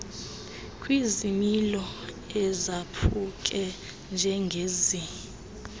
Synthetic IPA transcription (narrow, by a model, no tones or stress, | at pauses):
kʼwizimilɔ | ɛzapʰukʼɛ | nd͡ʒʱɛŋɡʱeːzi